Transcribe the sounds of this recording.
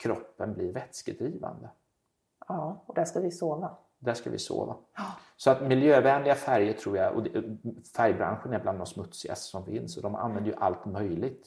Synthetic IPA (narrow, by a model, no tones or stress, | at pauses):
kʰɾɔpːənblɪɾvɛt̪skəd̪ɾiːva̰nd̪ə | ɑːɔd̪æʂkavɪsoːva | d̪æʂkavɪ̰so̰ːva̰ | sɔat̪mɪljøːvɛnlɪɡafæɾjəʈʰɾuːɾjaʔɔ̰d̪ɛfæɾjbɾa̰nɧənɛbland̪ːɔnsmɵt̪sɪɡa̰st̪sɔmfɪnsɔd̪ɔmʔa̰nvɛnd̪əjɵʔa̰lt̪mœjlɪɡ̚t̪